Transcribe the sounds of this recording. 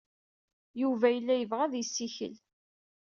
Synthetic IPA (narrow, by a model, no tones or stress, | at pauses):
juvæjəlːæjəvʁæðjəsːiçə̰l